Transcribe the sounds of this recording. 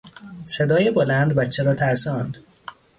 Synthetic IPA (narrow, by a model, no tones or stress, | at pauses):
se̞d̪ɒːjebolænd̪bæt̪t͡ʃʰeɾɒːt̪ʰæɾsɒːnd̪̥